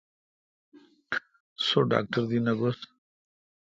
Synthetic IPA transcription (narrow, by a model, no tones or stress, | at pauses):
soɖa̰ːk̚ʈəɾd̪inaɡos